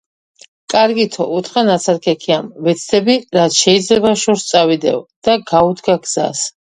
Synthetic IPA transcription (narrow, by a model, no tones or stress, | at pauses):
kʼaɾɡit̪ʰɔ̰ʔut̪ʰχanat̪sʰaɾkʰɛkʰiamvɛt̪sʰd̪ɛbiɾat̪sʰʃɛid̪zlɛbaʃɔɾst̪sʼavid̪ɛ̰vd̪̥aɡaud̪ʰɡaɡz̥a̰s